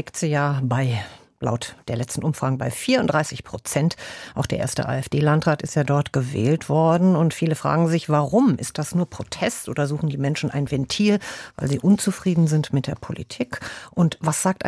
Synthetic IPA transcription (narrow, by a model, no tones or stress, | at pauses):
ɪktz̥ijaːbaɪ | la̰ʊtd̥eːɐlɛt͡stn̩ʔʊmfʁ̥aːɡŋ̩əbaɪfiːɐʊntd̥ʁaɪsɪçpʁ̥ot͡sɛntʔaʊxd̥eːɐḛːɐstə̰ʔa̰ːɛfd̥eːlantʁ̥aːtɪstjaːdɔɐtɡ̥əvɛ̰ːltv̥ɔɐdn̩ʊntfiːləfʁ̥a̰ːɡŋ̩zɪçv̥aʁʊmɪ̰st̚d̥asnuːɐpʁ̥otʰɛstʔo̰ːdɐzuːxn̩diːmɛnʃn̩ʔa̰ɪnvɛntʰiːlva̰ɪlziːʔʊnt͡sufʁ̥iːdn̩zɪntmɪt̚d̥eːɐpʰolḭtʰiːkʔʊntvasz̥aːk̚t